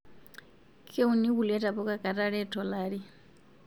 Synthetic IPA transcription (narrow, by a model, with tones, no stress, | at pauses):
kʰe˦u˨ni˦βu˨lɛ˦tʼa˨pɔ˦kʼa˦kʼa˨tʼa˦ɺɛ˦tʰɔ˨laːɺi˦